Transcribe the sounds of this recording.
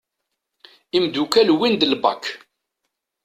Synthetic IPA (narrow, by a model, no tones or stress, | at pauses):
imd̪ukælwind̪əlbɑ̰kʰː